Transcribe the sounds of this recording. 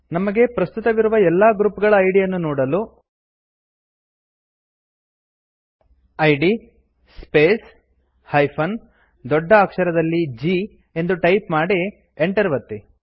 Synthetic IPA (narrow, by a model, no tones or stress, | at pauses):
nɐmɐɡe̞pɾɐst̪ut̪ɐʋiɾuʋɐɛlːɐːɡɾupɡɐɭɐːjɖijɐnːunɔːɽɐlu | ɐjɖi | speːs | hɐjpʰɐn | d̪ɔɖːɐːkʂɐɾɐd̪ɐlːid͡ʒi | e̞nd̪uʈɐjpmaːɽi | eɳʈɐɾʋɐt̪ːi